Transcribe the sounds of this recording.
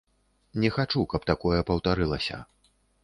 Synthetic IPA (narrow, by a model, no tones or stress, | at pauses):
nʲɛxat͡ʂukɐpt̪akɔjɐpɐwt̪aɾɨlˠɐsʲɐ̰